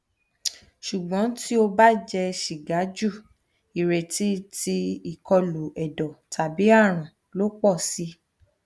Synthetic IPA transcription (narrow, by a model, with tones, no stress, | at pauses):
ʃu˨ɡ͡bɔ̃˨˦ti˦o˧ba˦d͡ʒɛ˧ʃi˨ɡa˨˦d͡ʒu˦˨ | i˨ɾe˨ti˨˦ti˧i˨kɔ˧lu˨ɛ˨dɔ˨tʰa˨bi˨˦a˦˨ɾ̃ã˨ | lo˦k͡pɔ˦˨si˧˦